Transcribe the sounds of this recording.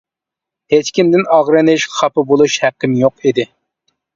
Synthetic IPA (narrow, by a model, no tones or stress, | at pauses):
het͡ʃkʲʰimd̪ɪnɑʁɾɨnɪʃχʰɑpɨbolˠuʃhæqːɪmjoqid̪ɪ